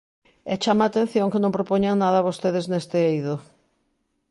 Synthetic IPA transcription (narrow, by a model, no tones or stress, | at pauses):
ɛt͡ʃamaːt̪ẽn̟θjoŋkɪnõmpɾopoɲaŋnaðɐaβost̪eðɪznest̪eejðʊ